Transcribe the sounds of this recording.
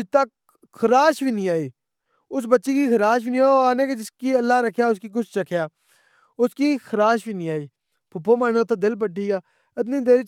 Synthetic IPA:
t̪ək | kʰəɾaːʃʋiːnĩːaːiː | ʊsbətːʃiːkiːkʰəɾaːʃʋiːnĩaːoaːnẽːked͡ʒɪskiːəlːaːɾəkʰjaːʊskiːk̬ʊt͡ʃʰt͡ʃəkʰjaː | ʊskiːkʰəɾaːʃʋiːnĩːaːiː | pʰʊpːoːmaːneːt̪ad̪ɪlp̬əʈːiːɡaː | ɪt̪̬niːd̪eːɾ

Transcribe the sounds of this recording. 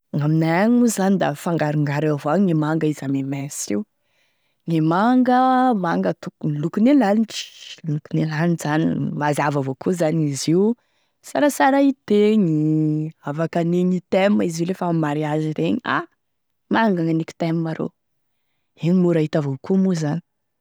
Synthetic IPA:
ŋaminaaŋuzanid̪afaŋɡaɾuŋɡaɾavoaŋemaŋɡaizamemesiw | ŋemaŋɡəmaŋɡət̪ukulukunelaniʈ͡ʂi̥lukunelaniʈ͡ʂz̥anḭvazavavokuzaniziw | saɾasaɾait̪eŋiavakaniɲit̪eməiziulefamaɾiaziɾeɲia̰ | maŋɡaŋaniki̥t̪emimaɾo̰ | eɲimuɾaɦit̪avokumuzanii̥

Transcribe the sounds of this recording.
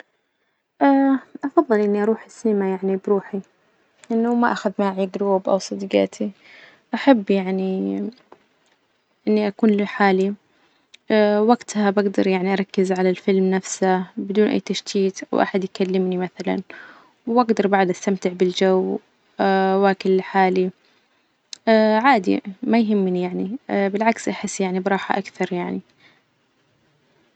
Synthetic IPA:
ʔaːʔɑfɑðˤːɨlʔɪnːiʔɑɾˤuːħɪsɪnɪmajaʕnibɾuːħi | ʔɪnːamaʔaxad̪maʕiɡɾuːbʔa̰wsˤɨd̪ɡɑ̰ːt̪ʰi | ʔaħabːjaʕni | ʔɪnːiʔakuːnlɪħaːli | awaɡt̪habaɡd̪ɑɾˤjaʕniʔɑɾˤɑkːɪzʕalalfɪlmnafsabɪd̪uːnʔa̰jːt̪aʃt̪iːt̪ʔa̰wʔa̰ħad̪jkalːɪmnimaθala̰n | wʔaɡd̪ɑɾˤbaʕd̪ʔast̪amt̪ɪʕbɪld͡ʒaw | awakɪllɪħaːli | ʕaːd̪ḭmajɦɪmːnijaʕnibɪlʕaksʔaħɪsːjaʕnibɾˤɑːħa̰ʔakθɑɾˤjaʕni

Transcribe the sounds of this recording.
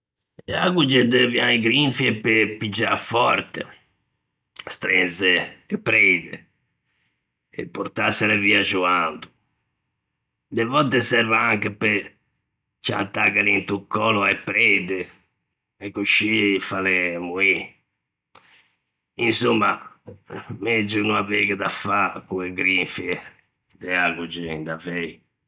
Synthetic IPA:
ɛa̰ɣud͡ʒɛd̪ɛvjaiɡɾiɱfiɛpepːid͡ʒːafɔɾt̪e | st̪ɾɛnzɛɛpːɾɛːd̪ɛ | ɛ̰pːuɾt̪asːɛɾɛviːad͡ʒuand̪u̥ | d̪ɛvɔt̪ːɛsɛɾvaaŋkepe | t͡ʃa̰t̪ːaɡaɾint̪ukːɔlɔaɛpɾɛːd̪ɛ | ɛkːuʃifalɛmui | insumːa | med͡ʒːunuaveɡɛd̪afakueɡɾiɱfi | d̪ɛaɡud͡ʒɛnd̪avei

